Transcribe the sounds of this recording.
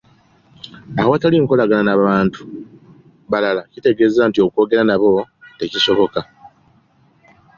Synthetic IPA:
ahowataliŋko̞laɡananaβaːntu̥ | βalalacite̞ɡe̞ːzaːntio̞kwo̞ːɡe̞ɾanaβo̞te̞ciso̞βo̞ka

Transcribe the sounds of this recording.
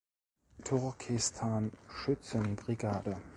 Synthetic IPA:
tʰʊʁkʰɪstʰaːnʃʏt͡sənbʁiɡaːdə

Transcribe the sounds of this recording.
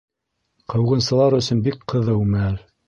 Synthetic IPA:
qʰɤ̆wʁɤ̆nsɤ̆lˠɑɾɵ̆sɵnbikqʰɤ̆ðɤwmææl

